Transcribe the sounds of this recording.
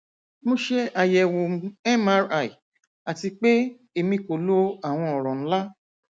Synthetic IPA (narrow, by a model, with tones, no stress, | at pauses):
mo˦ʃe˦a˧jɛ˨wo˨m˦ɛ˦ma˦ɾa˦˨i˨ | a˨ti˧k͡pe˦ | e˨˧mĩ˧ko˨lo˦a˦˨w̃ɔ̃˧ɔ˨ɾ̃ɔ̃˨ñ̩˦la˦